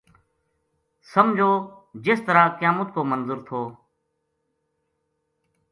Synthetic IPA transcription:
səmd͡ʒʱoːd͡ʒɪːst̪əɾaːkjãːmʊt̪̚ʰkoːmənzʊːɾt̪ʰoː

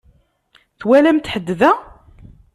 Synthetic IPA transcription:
θwælæmt̪ħəd̪ːðæ

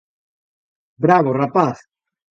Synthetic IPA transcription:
bɾaβorapaθ

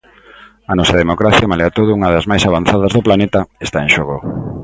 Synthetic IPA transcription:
ɐnɔsɐðemokɾaθjamaleat̪oðʊuŋɐðɐzmajsaβan̟θaðɐzðʊplanet̪ɐest̪aeŋʃoɣo

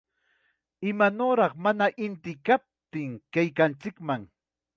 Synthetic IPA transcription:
ɪmanoɾɑχmanaʔɪnt̪ɪkap̚t̪ɪŋkajkant͡sɪkmaŋ

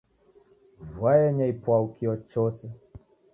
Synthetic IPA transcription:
vwajɛɲɛipwawukiɔt͡ʃɔsɛ

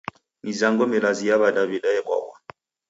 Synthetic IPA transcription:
mizaŋɡɔmɛlazijaβadavidaɛkwa̰bwa̰

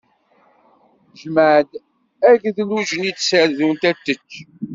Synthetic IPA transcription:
ʒməʕd̪ | æʝðluʒənid̪səɾðunt̪æt̪ːət͡ʃː

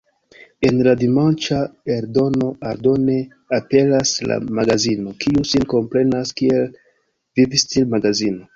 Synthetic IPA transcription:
e̞nladimant͡ʃae̞ɾdo̞no̞aɾdo̞ne̞ | ape̞lasla̰maɡazino̞kʰiusinko̞mpɾe̞naskie̞l | vivistilmaɡazino̞

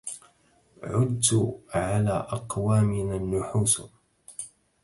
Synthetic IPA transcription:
ʕʊd̪ːʕalaːʔɑqwaːmɪnanːʊħuːs

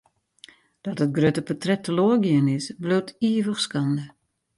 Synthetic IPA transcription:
d̥ɔtət̚ɡrøtəpɔtrɛtːəloəɡiənɪsbløwtʰiəvəχskɑndə

